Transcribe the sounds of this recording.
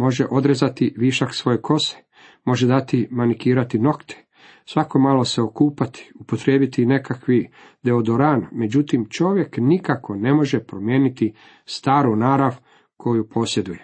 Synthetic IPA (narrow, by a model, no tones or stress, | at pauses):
mo̞ʒeʔo̞d̪ɾezat̪iʋiʃaksʋo̞jekʰo̞se̥ | mo̞ʒe̞d̪at̪imanikiːɾat̪ino̞kt̪ʰe̥ | sʋako̞maːlo̞se̞okuːpat̪ʰi̥upo̞t̪ɾe̞ːbit̪ine̞kakʋi | d̪e̞od̪oɾaːnme̞d͡ʑut̪imt͡ʃo̞ʋje̞knikako̞ne̞mo̞ʒepɾo̞mjeːnit̪i | st̪aːɾunaːɾaʋ | kʰo̞jupo̞sje̞d̪uje